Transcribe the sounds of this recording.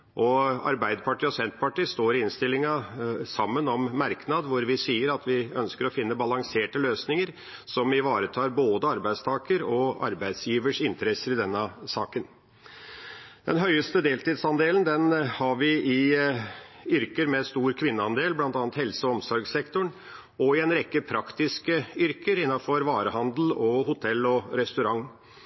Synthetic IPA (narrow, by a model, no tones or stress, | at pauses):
ʔɔɑ̰ɾbæɪd̪əpʰɑʈiːɔsɛnt̪pɑʈiːst̪oːɾɪɪnst̪ɪlːɪŋɑsɑmːənɔmːæɾknɑd̪ʋʊɾʋɪsiːəɾɑt̪ʋɪœnskəɾɔfɪnːəbɑlɑŋseːʈəløːsnɪŋəɾ | sɔmɪʋɑːɾət̪ʰɑːɾboːd̪əɑɾbæɪst̪ʰɑːkəɾɔɑ̰ɾbæɪd̪sjiːʋəʂɪnt̪əɾɛsəɾɪd̪ɛnːəsɑːkən | d̪̥ɛnɦœʏəst̪əd̪eːlt̪iːd̪sɑnd̪eːlənd̪ɛnhɑɾʋɪɪ | ʏɾkəɾmɛst̪uːɾkʰʋɪnːəɑnd̪eːlblɑnt̪ɑːnət̪hɛlsəɔmsɔɾɡsɛkt̪ʊɳ | ɔɪɛnɾɛkːəpʰɾɑkt̪ɪskəʏɾkəɾɪnːɑfɔɾʋɑːɾəhɑnd̪l̩ɔhʊt̪ʰɛlːɔɾɛst̪ʉɾɑŋː